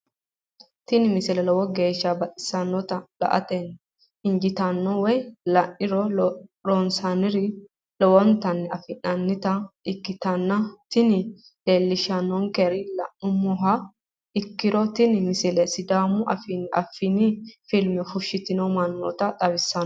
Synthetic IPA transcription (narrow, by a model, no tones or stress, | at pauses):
t̪ɪnɪmɪsɪlɛlɔwɔɡeːʃːɐbɐt̪ʼɪ̥sɐnːɔt̪ɐlɐ̰ʔɐ̰t̪ɛn | ɪnd͡ʒɪt̪ɐnːɔwɛjlɐnːɪɾɔɾɔnsanɪɾɪ | lɔwɔnt̪ɐnːɛɐfɪnɐnːɪt̪ɐɪkːɪt̪ɐnːɐt̪ɪnɪ | leːlːɪʃɐnːɔŋkɛɾɪlɐ̰nːʊmɔɦɐ | ɪkːɪɾɔt̪ɪnɪmɪsɪlɛsɪd̪aːmʊʔɐ̰fɪnɪɐ̰fɪnɪfɪlmɛfʊʃːɪt̪ɪnɔmɐnːɔ̰t̪ɐt̪ʼɐbɪsːɐn